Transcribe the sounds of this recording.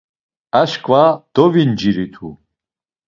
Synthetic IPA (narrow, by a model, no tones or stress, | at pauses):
aʃkʼvad̪̥ɔvind͡ʒiɾit̪ʰu